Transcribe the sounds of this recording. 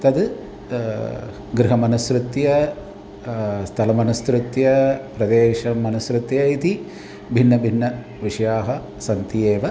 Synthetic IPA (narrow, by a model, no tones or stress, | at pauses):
t̪ɐd̪ | ɡɾɪɦɐmɐnɐsɾut̪jɐ | st̪ʰɐlɐmɐnɐst̪ɾut̪jɐpɾɐd̪eːʃɐmɐnɐsɾut̪jɐit̪i | bʱinːɐbʱinːɐ | ʋiʂɐjaːɦɐ | sɐnt̪ijeːʋɐ